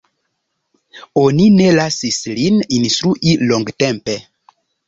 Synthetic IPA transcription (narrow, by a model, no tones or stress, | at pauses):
o̞nine̞lasislininst̪ɾuʔiloŋɡtempe̞